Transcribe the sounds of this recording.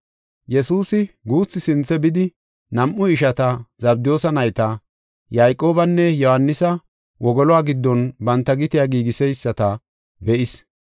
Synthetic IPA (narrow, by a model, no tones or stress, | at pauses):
jɛsuːsɪɡuːt͡sːɪsɪnt͡sːɛbɪd̪ɪ | nɐmʔːʊɪʃɐt̪ɐzɐbd̪ɪjoːsɐnɐjt̪ɐ | jajkʼːo̞ːbɐnːɛjɔhɐnːɪsɐ | wʔɔɡɔlɔaːɡɪd̪ːɔnbɐnt̪ːɐɡɪt̪ɪjaːɡiːɡɪsɛjsːɐt̪ɐ | bɛʔɪs